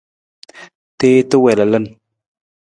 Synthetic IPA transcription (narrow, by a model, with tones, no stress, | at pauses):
t̪e˦t̪ə˦we˨la˨lə˦n